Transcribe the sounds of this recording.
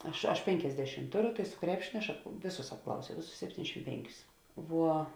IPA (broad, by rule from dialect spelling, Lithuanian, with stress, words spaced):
ˈɐʃ ɐʃ ˈpʲɛŋʲkʲɛzʲdʲɛʃʲɪm ˈtʊˌrʊ sʊ ˈkrʲæːpʲʃʲɪnʲoː ɐʃ ɐp ˈʋʲeːˌsʊs ɐpˈklˠɐʊsʲɛʊ ˈʋʲeːˌsʊs sʲɛpʲˈtʲiːnʲɛzʲdʲɛʃʲɪm ˈpʲɛŋʲˌkʲʊs ˈʋuɔ